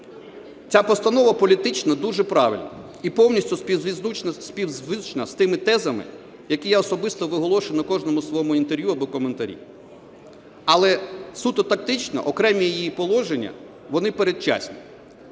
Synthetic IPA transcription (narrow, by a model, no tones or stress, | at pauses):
t͡sʲapɔst̪ɐnɔʋɐpɔlʲit̪ɪt͡ʃnɐd̪uʒɛpɾɑʋɪ̰lʲnɐ̰ | ipɔwnʲisʲtʲʊspʲizunɐspʲiwzʋɪt͡ʃnɐst̪ɪmɪt̪ɛzɐmɪ̰ | jɐkijaɔsɔbɪst̪ɔʋɪɦɔlˠɔʃenʊkɔʒnɔmʊsʋɔjɔmʊint̪eɾʲʋjuɐbɔkɔment̪ɐɾʲḭ | ɐlˠɛsut̪ɔt̪ɐk̚t̪ɪt͡ʃnɐ̰ʔɔkɾɛmʲijijijipɔlˠɔʒenʲːɐ̰ | ʋɔnɪpeɾet͡ʃa̰sʲnʲi